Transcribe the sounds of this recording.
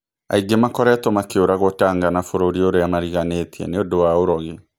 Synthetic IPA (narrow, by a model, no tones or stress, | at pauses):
a̰iɡemakɔɾɛtomakeoɾaɣotaːŋɡanafoɾoɾioɾeamaɾiɣanetiɛ̰neodowaoɾɔɣe